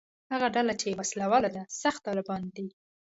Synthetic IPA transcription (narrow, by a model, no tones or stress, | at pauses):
haɣaɖalat͡ʃewaslawɑlad̪asaxt̪ːɑlɪbɑnd̪i